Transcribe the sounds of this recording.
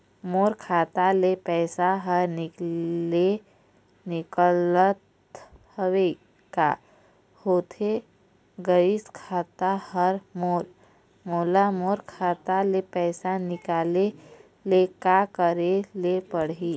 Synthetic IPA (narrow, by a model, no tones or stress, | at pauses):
moːɾkʰaːt̪alepɛːsaɦəɾnɪkle | nɪkələt̪ | həʋe | ka̰ | hoːt̪ʰe | ɡəɪskʰaːt̪ahəɾmoːɾ | moːlamoːɾkʰaːt̪alepɛːsanɪkaːle | lekakəɾelepəɽɦiː